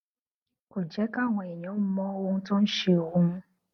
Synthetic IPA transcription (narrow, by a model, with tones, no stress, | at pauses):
ko˨d͡ʒɛ˨˦ka˦˨w̃ɔ̃˧˨ɛ˨j̃ɔ̃˨˦mɔ̃˦o˧nũ˦tõ˦n̩˦ʃe˧o˨wũ˨˦mũ˦